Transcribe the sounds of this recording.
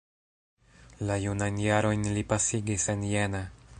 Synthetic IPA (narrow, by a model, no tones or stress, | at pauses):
lajunajnjaɾo̞jnlipasiɡise̞njena